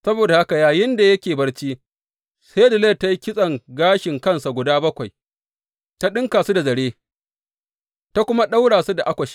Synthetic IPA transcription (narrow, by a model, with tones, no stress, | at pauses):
sɐ˦boː˨da˨ha˦ka˨jaː˨jɪ˦nda˨jɐ˦kʲeː˨bɐ˦rt͡ʃiː˦ | sa˦dɪ˨leː˦˨tːa˦ji˦kʲɪ˦sʼɐ˨ŋɡaː˦ʃɪ˨ŋkɐ˦nsa˨ɡʷʊ˨daː˦bɐ˦kʷa˨j | ta˦ɗɪ˦ŋkaː˨su˦da˨zɐ˨ɽeː˦ | ta˦kʷʊ˦ma˦ɗa˦wɽaː˨su˦da˨ʔa˦kʷɐ˨ʃi̥˦